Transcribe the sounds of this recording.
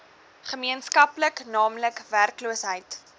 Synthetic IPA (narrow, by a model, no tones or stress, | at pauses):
χəmiənskɐpləknɑːmləkværkluəsɦəjt